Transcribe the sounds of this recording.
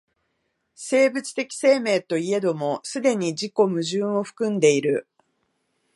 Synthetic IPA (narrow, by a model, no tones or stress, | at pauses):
se̞ːbɯ̟t͡sɨ̥t̪e̞kʲi̥se̞ːme̞ːt̪o̞ie̞d̪o̞mo̞sɨd̪e̞ɲ̟id͡ʑiko̞mɯ̟ʑɨ̃ːo̞ɸɯ̥kɯ̟̃nd̪e̞iɾɯ̟